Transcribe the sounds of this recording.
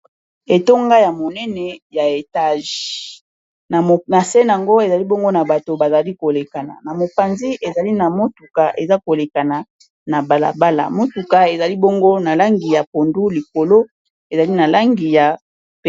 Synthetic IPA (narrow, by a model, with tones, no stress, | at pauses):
e˨to˦ŋɡa˦ja˨mo˨nɛ˦nɛ˨ja˨e˨ta˦˨ʒi˨ | n˨na˨sɛ˦n˨a˨ŋɡo˦e˨za˨li˦bo˦ŋɡo˦na˨ba˨to˨ba˨za˨li˦ko˨le˨ka˨na̰˨na˨mo˨pa˨nzi˦ʔe˨za˨li˦na˨mo˦tu˨ka˨ʔḛ˨za˦ko˨le˨ka˨na˨ | na˨ba˨la̰˨ba˦la̰˨mo˦tu˨ka˨e˨za˨li˦bo˦ŋɡo˦na˨la˦ŋɡi˨ja˨po˨ndu˦li˨ko˨lo˦ | e˨za˨li˦na˨la˦ŋɡi˨ja˨ | p